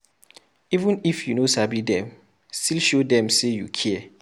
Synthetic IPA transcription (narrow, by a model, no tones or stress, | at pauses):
ivə̃nifjunosabidɛ̃m | stʰilʃodɛ̃msejṵkʰiɛ